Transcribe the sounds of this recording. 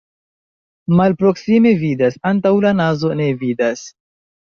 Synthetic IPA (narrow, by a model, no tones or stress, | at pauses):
malpɾo̞ksime̞vidasantawlanazo̞ne̞vidas